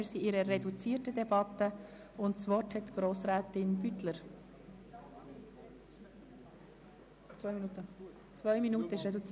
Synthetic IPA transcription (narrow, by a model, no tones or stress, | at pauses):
ɪɾsiʔɪɾəːɛdut͡siːtədɛbɑt̪ə | ʊntsvɔrthɛtɡ̥ɾoːsɾɛːtɪnbytləɾ | t͡sʋvœʏminuːtə | t͡svœʏminuːtəɪʃɾɛdut͡si